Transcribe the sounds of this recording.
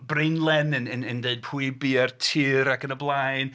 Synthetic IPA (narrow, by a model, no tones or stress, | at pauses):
brenlˠɛnənənəndeɨd̚pʰuɨbiɛrtʰiːɾakənəblˠajn